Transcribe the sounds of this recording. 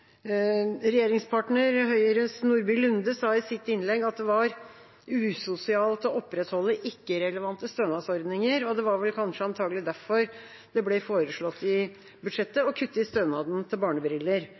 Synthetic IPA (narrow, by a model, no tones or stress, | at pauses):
ɾɛjeːɾɪŋspʰɑːʈɳəɾhœʏɾøsnuɾbɪlʉnd̪əsɑːɪsɪt̪ːɪnlɛɡːɑt̪̚d̪ɛʋɑɾ | ʉːsʊsɪɑːlt̪ɔɔpːɾɛt̪hɔlːəʔɪkːəɾɛləʋɑnt̪əst̪øːnɑːsɔɾd̪nɪŋəɾɔd̪ɛʋɑɾʋɛlkʰɑnʂəɑnt̪ʰɑːɡəlɪd̪æɾfɔɾ | d̪̥ɛblɛfoːɾəʂɭɔt̪ːɪ | bʉd̪ʂɛt̪ːəɔkʰʉt̪ːəɪst̪øːnɑːd̪nt̪ʰɪlbɑːɳəbɾɪlːəɾ